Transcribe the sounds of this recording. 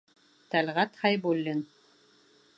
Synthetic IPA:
t̪ælʁæt̪hɑjbulʲːin

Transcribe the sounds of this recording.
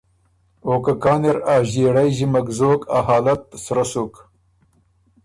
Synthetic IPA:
oːkakaːneɾaːʑeːɽajʑimɐkzoːka̰haːlɐt̪̚ːsɾɐsuk

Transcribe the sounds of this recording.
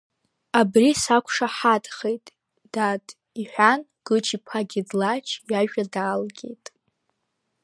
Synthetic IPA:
abrisakʷʰʂaħadʼχejtʼ | d̥atʰʼ | iħʷᶣan | ɡ̥ɨt͡ʃʰipʰaɡʲidlat͡ʃʰjaʒᶣadaːlɡʲejtʼ

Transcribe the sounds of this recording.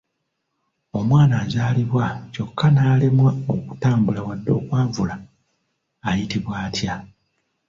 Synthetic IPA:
o̞mwaːnaːzaːliβwaco̞kʰːanaːlemwao̞ku̥taːmbulawadːo̞̰ːkwaːɱvulaː | jitiβwaːtja

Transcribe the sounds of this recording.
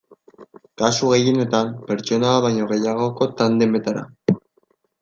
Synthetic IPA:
kasuɣe̞jene̞t̪ampe̞ɾt͡ʃo̞naːβaɲo̞ɣe̞jaɣ̞o̞ko̞t̪and̪embe̞t̪aɾa̰

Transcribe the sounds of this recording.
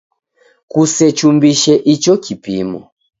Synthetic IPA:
kusɛt͡ʃumbiʃɛʔit͡ʃɔkipḭmɔ̰

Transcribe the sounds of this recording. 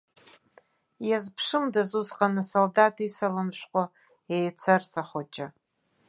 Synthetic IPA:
jazpʰʂɨmdazuzqʼanɨsoldatʰisɐlɨmʃʷqʷɔ | ejt͡sʰɐrsaχʷot͡ʃʼɪ

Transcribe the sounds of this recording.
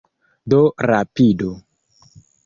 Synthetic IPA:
doɾapido

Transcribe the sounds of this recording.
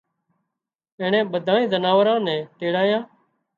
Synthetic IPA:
ɛ̃ːɳɛ̃ːɓəd̪ʱaːĩːzənaːʋɾãːnɛ̃ːʈeːɽaːjãː

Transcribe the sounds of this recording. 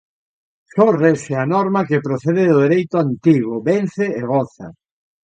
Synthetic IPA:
soreseanɔɾmɐkepɾoθeðeðʊðeɾejt̪ʊant̪iɣʊβen̟θeeɣɔθa̰

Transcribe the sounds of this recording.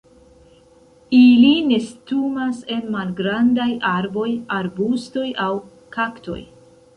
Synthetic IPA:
iline̞stumase̞nmalɡɾandajaɾbo̞jaɾbusto̞jaw | kakto̞̰j

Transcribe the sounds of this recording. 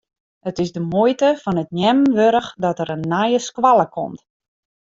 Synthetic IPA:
ətɪsdəmujtəfɔnətnjɛmənʋøɾəxdɔtəɾənːajəskʋalˠəkʰɔ̰mt

